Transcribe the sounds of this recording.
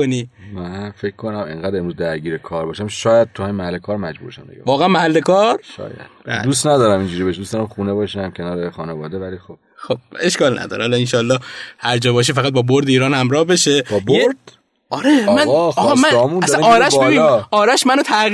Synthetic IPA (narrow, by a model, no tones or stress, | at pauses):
onimænfekkʰːonæmḛŋɡæːd̪e̞mɾuzd̪æɾɡiːɾekʰɒːɾbɒːʃæmʃɒːjæd̪̚t̪ʰuhaminmæhælːekʰɒːɾmæd͡ʒbṵːɾʃæ̰md̪ḭɡæ̰vɒːɣeænmæhælːe̞kʰɒːɾʃɒ̰ːjæ̰d̪bæ̰d̪uːst̪næd̪ɒːɾæmind͡ʒuːɾibeʃd̪ustd̪ɒɾæmxuːnebɒːʃæmcʰenɒːɾexɒːnevɒːd̪evælixob̥̚xob̥̚e̞ʃkɒːlnæ̰d̪ɒ̰ːɾehɒlɒinʃɒːlːɒːhhæɾd͡ʒɒːbɒːʃ̬ifæɣæt̪̚bɒːboɾd̪eiːɾɒːnhæmɾɒːhbe̞ʃe̞bɒboeɾd̪ | ʔɒɾemænɒmæmunæsænɒːɾæʃbebiɒːɾæʃmænot̪ʰæɣ